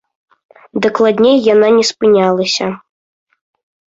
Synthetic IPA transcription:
d̪aklˠad̪ʲnʲejːananʲɛspɨnʲalˠɐsʲɐ

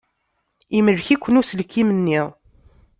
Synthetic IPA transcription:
iməɾçikʷːənusəlkːimənːiʁˤ

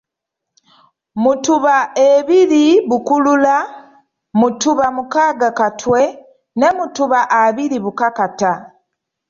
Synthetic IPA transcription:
mutuβaeβiɾiβukulula | mutuβamukaːɡakatwe̞ | ne̞mutuβaʔaβiɾiβukakata

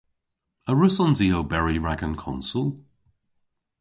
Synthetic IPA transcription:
əɹʉsɔ̃nzioʊbɛɹiɹaɡə̃nkʰɒ̰̃nsəlˠ

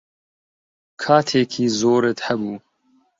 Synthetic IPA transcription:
kʰaːt̪ʰeːkʰiːzoːɾet̪hɛbuː

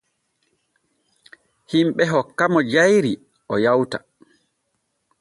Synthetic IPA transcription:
himɓɛɦɔkːamɔd͡ʒajɾi | ʔɔjawtḁ

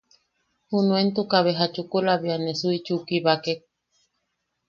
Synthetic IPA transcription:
hunuent̪ukaβeɦat͡ʃukulaβianesuit͡ʃukiβakek̚

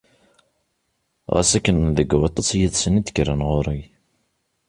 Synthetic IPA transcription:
ʁæ̰sækːənðəɡwɑt̪ˤːɑsjəðsənid̪̥kɾənʁoɾˤi

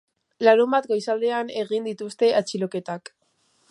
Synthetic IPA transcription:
laɾumbat̪ɡo̞jsald̪e̞ane̞ɣind̪it̪ust̪e̞ʔat͡ʃilo̞ke̞t̪ak

